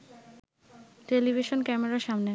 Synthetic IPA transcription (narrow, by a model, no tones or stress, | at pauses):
ʈelibʱiʃonkɛmeɾaɾʃamne